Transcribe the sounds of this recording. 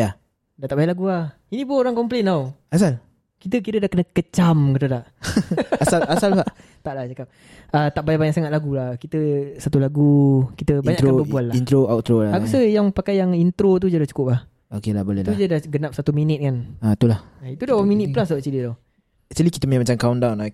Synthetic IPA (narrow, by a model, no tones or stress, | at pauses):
ja | daʔt̪aʔbajaʔlaɡula | inĩbuoɾaŋkɔmplenawasal | kit̪əkiɾədahkənəkət͡ʃamkət̪ədaʔ | asalasalaʔ | t̪aʔlaht͡ʃakap̚ | ət̪aʔbajabaɲaʔsaŋatʔ̪laɡulahkit̪əsat̪ulaɡukit̪əbaɲakt̪ɾkobəbuallahint̪ɾoawt̪ɾolakusəjaŋpakajːaŋint̪ɾot̪̬ud͡ʒadaht͡ʃu̥kʊp̚lah | okelahbolɛt̪ud͡ʒadahɡənap̚sat̪uminət̪̚kanat̪ulahait̪udahwaminit̪̚pəlas̬at͡ʃilidaw | t͡ʃilikit̪əməɲaʔmat͡ʃamkawndawna